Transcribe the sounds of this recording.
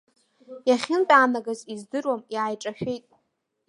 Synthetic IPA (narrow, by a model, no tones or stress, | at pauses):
jaχʲɪntʼaːnaɡazizdɨrwamjaːjʈ͡ʂʼaʃᶣe̞jtʼ